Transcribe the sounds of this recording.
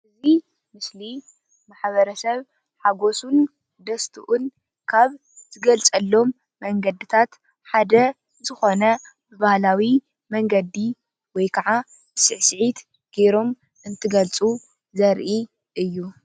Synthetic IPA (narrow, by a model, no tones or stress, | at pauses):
ʔɨzi | mɨsli | maħβɐɾɐsɐβ | ħaɡo̞sun | d̪ɐst̪ʰɨʔun | kʰaβ | z̥ɨɡɐlt͡sʼɐlːo̞mː | ɐŋɡɐd̪ɨt̪ʰat̪ | ħad̪ɐ | zɨxo̞nɐ | bɨβahlawi | mɐŋɡɐd̪i | wɔjkʰaʕa | sɨʕsɨʕit̪ | ɡ̥eɾo̞m | ʔɨnt̪ʰɨɡɐlt͡sʼu | zɐɾʔi | ʔɨjːu